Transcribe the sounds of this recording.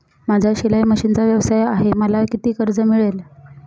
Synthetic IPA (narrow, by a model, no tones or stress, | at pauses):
mad͡ʑʱjaɕilajməɕiːnt͡saʋjəʋsajaɦeməlakit̪iːkəɾd͡zəmiɭel